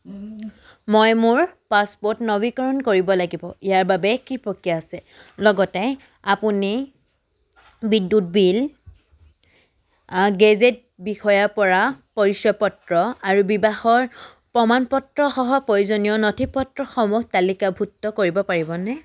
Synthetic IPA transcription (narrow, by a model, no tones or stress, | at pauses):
mojmʊɹpaspɔtnɔbikɔɹɔnkoɹibɔlaɡibɔijaɹbabɛkipɹɔkijaːsɛlɔɡɔtɛ | apuni | bidːut̚bil | ɡɛzet̚ | bixɔjapɔɹapɔɹisjɔpɔtɹɔaɹubibaxɔɹ | pɹɔmanpɔtɹɔxɔɦɔpɔɹizonijɔnɔtʰipɔtɹɔxɔmuktalikabʱutːɔkoɹibɔpaɹibɔnɛ